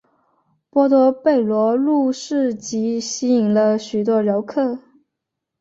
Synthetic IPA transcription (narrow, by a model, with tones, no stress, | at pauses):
pwɔ˥t̪wɔ˧˥pe˥˩ɪlwɔ˧˥lu˥˧ʂɻ̩˥˩t͡ɕi˧˥ɕi˧˥i˨˩ŋlə˧ɕy˨˩t̪̬wɔ˥ɻo˧˥ʊkʰɤ˥˩